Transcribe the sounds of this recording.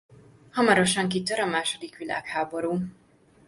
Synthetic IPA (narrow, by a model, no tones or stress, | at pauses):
hɒmɒɾo̞ʃɒŋkit̪øɾɒmaːʃo̞d̪ikʋila̰ːkhaːbo̞ɾuː